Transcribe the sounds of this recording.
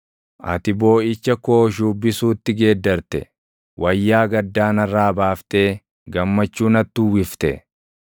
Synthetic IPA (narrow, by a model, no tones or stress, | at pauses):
ʔɐ̰t̪ɪbo̞ːʔɪt͡ʃːɐko̞ːʃ̬uːbːɪsuːt̪ːɪɡe̞ːd̪ːɐɾt̪ɛ̰ | wʔɐjːaːɡɐd̪ːaːnɐrːaːbaːft̪eː | ɡɐmːɐt͡ʃːuːnɐt̪ːʊwɪft̪ɛ̰